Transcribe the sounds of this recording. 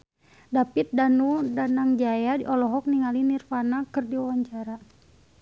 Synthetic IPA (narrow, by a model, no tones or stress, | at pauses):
dapit̪̚danudanaŋd͡ʒajadiʔɔlɔɦɔk̚niŋalinirfanakərdiɔwaɲt͡ʃaɾa